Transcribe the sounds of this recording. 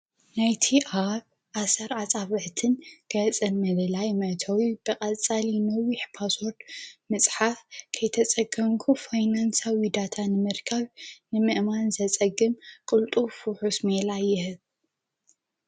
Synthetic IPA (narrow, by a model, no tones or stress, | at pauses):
najt̪ʰiʔaβ | ʔasɐɾat͡sʼaβɨʕt̪ʰɨnɡ̥ɐt͡sʼɐlmɐlɨlajmɐt̪ʰɐwib̥ɨkʼɐt͡sʼalinɐwiħpʰaswoɾd̪mɨt͡sʼħafkʰɐjt̪ʰɐt͡sʼɐɡɐmkʰufajnansawid̪at̪ʰanɨmɨɾkʰɐβnɨmɨʔmanzɐt͡sʼɐɡɨmkʼɨlt̪ʼufuħusmelajːɪɦɨβ